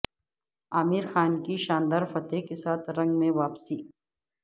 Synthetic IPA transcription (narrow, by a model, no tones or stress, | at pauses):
aːmiːɾxaːnkiʃaːnd̪aːɾfɐt̪ekesaːt̪ʰɾɐ̃ŋɡmẽʋaːpsiː